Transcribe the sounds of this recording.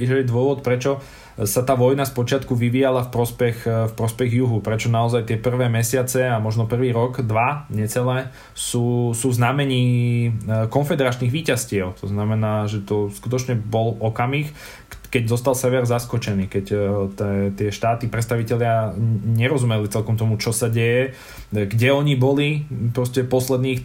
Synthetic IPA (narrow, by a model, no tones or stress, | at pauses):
iʒɛjɛd̪ʊɔʋɔt̪pɾɛt͡ʃɔ | sat̪aːʋɔjnaspɔt͡ʃɪat̪kuʋiʋijalafpɾɔspɛxfpɾɔspɛɣjuɦupɾɛt͡ʃɔnaɔzajt̪ɪɛpr̩ʋɛːmɛsɪat͡sɛamɔʒnɔpr̩ʋiːɾɔɡd̪ʋaɲɛt͡sɛlɛ | suːsuːznamɛɲiː | kɔnfɛd̪ɛɾat͡ʃniːɣʋiːcascɪɛʊt̪ɔznamɛnaːʒɛt̪ɔskut̪ɔt͡ʃɲɛbɔlɔkamix | kɛɟzɔst̪alsɛʋɛɾzaskɔt͡ʃɛniːkɛct̪ɛt̪ɪɛʃt̪aːt̪ipɾɛt̪st̪aʋicɛlɪaɲɛɾɔzumɛlit͡sɛlkɔmt̪ɔmut͡ʃɔsaɟɛjɛ | ɡɟɛɔɲibɔlipɾɔscɛpɔslɛd̪niːx